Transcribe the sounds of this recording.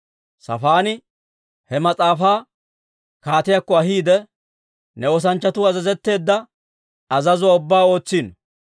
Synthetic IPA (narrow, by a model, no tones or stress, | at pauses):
sɐ̰faːnɪ | hɛmɐt͡sʼaːfaː | kaːt̪ɪjakːɔɐɦiːd̪ɛ | nɛwɔs̬ɐnt͡ʃːɐt̪ʊɐzɐzɛt̪ːe̞ːd̪ːɐ | ɐzɐzʊaʊbːaːo̞ːt͡sːiːn